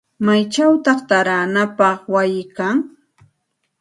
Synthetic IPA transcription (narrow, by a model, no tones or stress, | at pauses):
majt͡ʃawt̪ɑχt̪aɾanapɑχwajɪkaŋ